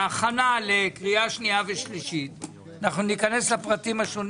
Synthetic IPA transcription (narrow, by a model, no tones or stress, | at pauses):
aχanalekʁiaʃniaveʃliʃit̚ | anaχnunikane̞slepʁatimaʃon